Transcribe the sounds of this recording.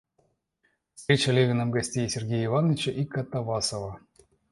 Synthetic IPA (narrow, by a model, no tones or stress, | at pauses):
st̪ɾʲet͡ɕalʲevʲɪnamɡɐsʲtʲejsʲerɡʲejivanːət͡ɕeʔikːat̪ːavɑsova